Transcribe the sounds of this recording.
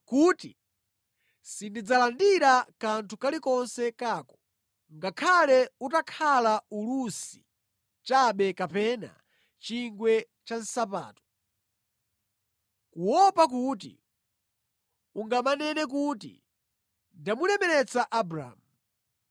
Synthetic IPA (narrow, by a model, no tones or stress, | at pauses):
kuːti | sindid͡zalandiɾakantʰukalikɔnsɛkaːkɔ̥ | ŋɡakʰalɛutakʰalaulusi | t͡ʃaɓɛkapɛna̰ | t͡ʃiŋɡwɛ | t͡ʃansap̬a̰ːtɔ̥ | kuwɔpak̬uːt̬ḭ | uŋɡamanɛnɛk̬ut̬ḭ | ndamulɛmɛɾɛt͡saʔabuɾa̰ːmu